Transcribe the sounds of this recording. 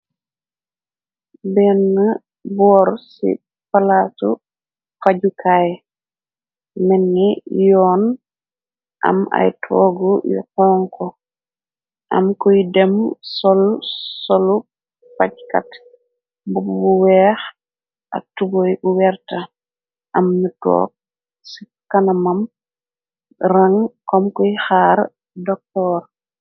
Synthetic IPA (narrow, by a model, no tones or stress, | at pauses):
bɛnːa | bɔːɾsḭ | palatu | faɟukʰaj | mɛnːijɔːn | ʔa̰ma̰jtʰɔːɡujṵkɔːŋkʰɔ | ʔa̰mkudɛmsolsolu | packa̰t | bububuwɛːx | ʔa̰tubojbuwɛɾta | ʔɐmnitɔ̰ːk̚ | si | kanamam | ɾaŋkɔmkɔjixaːɾ | dɔk̚tɔːɾ